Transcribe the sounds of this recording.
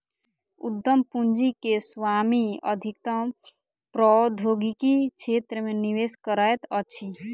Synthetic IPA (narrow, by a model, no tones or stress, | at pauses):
ṵd̪ːəmpund͡ʒikeswamiə̰d̪ʱikt̪əm | pɾɔd̪ʱoɡikikt͡ʃʰet̪ɾəmeniweskəɾajt̪ət͡ʃʰi